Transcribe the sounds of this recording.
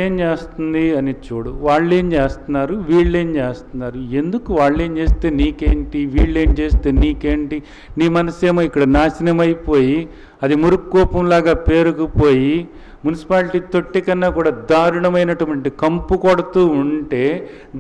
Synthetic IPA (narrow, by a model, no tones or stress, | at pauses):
eːmt͡ʃeːst̪und̪iɐnit͡ʃuːɽuʋaːɭːeːmt͡ʃeːst̪unːaːɾuʋiːɭːe̞ːmt͡ʃeːst̪unːaːɾue̞nd̪ukuʋaːɭːe̞ːmt͡ʃe̞ːst̪e̞ːniːkeːɳʈiʋiːɭːe̞ːmt͡ʃe̞ːst̪eːniːke̞ːɳʈi | niːmɐnɐseːmoːikːɐɽɐnaːsinɐmɐjipo̞ːji | ɐd̪imuɾukːɔːpɐmlaːɡaːpe̞ːɾukupo̞ːji | munisi̥paːlʈiːt̪o̞ʈːikɐnːakuːɽaːd̪aːɾuɳɐmɐjnɐʈɐmɐɳʈikɐmpukɔɽɐt̪uːuɳʈe̞ː